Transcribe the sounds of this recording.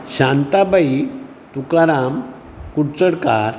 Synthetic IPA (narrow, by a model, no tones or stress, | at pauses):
ɕãnt̪abʱai | t̪ukaɾam | kuɽt͡səɽkaɾ